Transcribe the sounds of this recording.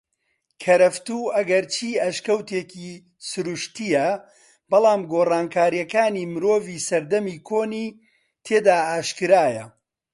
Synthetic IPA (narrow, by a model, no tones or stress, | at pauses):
kʰɐɾɐft̪uːɐɡɐɾt͡ʃʰiːɐʃkɐwt̪eːki | sʊɾuʃt̪ijɐ | b̥ɐlˠaːmɡoːraːnkʰaːɾijɐkaːniːmɨɾoːviːsɐɾd̪ɐmiːkʰoːniː | t̪ʰeːd̪aːaːʃkɨɾaːjɐ